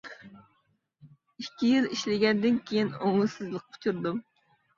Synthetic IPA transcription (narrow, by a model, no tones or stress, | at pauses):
ikʲʰːijiliʃlɪɡʲɛnd̪ɪnkʲʰejinoŋɨsɨzlˠəq̚pʰʊ̥t͡ʃʰuɾd̪um